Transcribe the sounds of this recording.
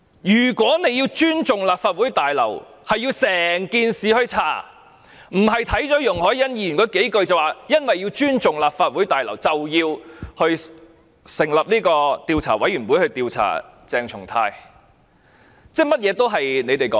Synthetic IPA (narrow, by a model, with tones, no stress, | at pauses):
jyː˨˩kʷwɔː˨˥ne˨˧ji˧wt͡ʃyː˥nt͡sʊ˨ŋlaː˨p̚faː˧t̚u˨˥jt̪aː˨jlɐ̰˨˩w | hɐ˨jːiː˧wsɛː˨˩ŋkiː˧nsiː˨hɵ˧ɥt͡sʰaː˨˩ | m̩˨˩ɦɐ˨jt̪ʰɐ˨˥jt͡sɔː˨˥jʊ˨˩ŋhɔː˨˥jɐ˥njiː˧y˨˩nkɔː˨˥ke˨˥jkɵ˧ɥt͡sɐ˨˩waː˨jɐ˥nwɐ˨jːi˧wt͡ʃyː˥nt͡sʊ˨ŋlaː˨p̚faː˧t̚wu˨˥jt̪aː˨jlɐ˨˩wt͡sɐ˨wjiː˧whɵ˧ɥ | sɪ˨˩ŋlɐ˨p̚niː˥kɔː˧t̪iː˧wt͡sʰaː˨˩wɐ˨˥jɥyː˨˩nwu˨˥hɵ˧t̪iː˧wt͡sʰa̰ː˨˩ | t͡sɛː˨ŋt͡sʰʊ˨˩ŋt̪ʰaː˧j | t͡sɛː˥mɐ˥t̚jɛː˨˧t̪o˥wɦɐ˨jne˨˧jt̪e˨˩jkɔː˨˦